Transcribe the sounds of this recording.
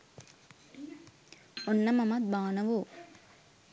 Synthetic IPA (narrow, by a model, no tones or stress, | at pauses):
onːɐmɐmɐt̪̚baːnɐʋu